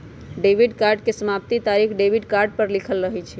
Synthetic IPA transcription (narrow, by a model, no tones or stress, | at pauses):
ɖebiɖkaɾɖ̚kesəmapt̪it̪aɾikʰɖebʱiɖkaɾɖ̚pəɾlikʰəlɾəɦɛt͡ʃʰɛ